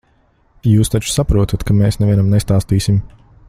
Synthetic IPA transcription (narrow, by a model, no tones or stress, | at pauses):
juːst̪at͡ʃsapɾuɔt̪at̪kameːsnɛviɛnamnest̪aːst̪iːsim